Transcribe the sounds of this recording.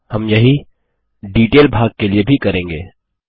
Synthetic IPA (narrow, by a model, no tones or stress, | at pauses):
hɐmjɐɦi | ɖiːʈeːlbʱaːɡ̚keliebʱikɐɾẽːŋɡḛː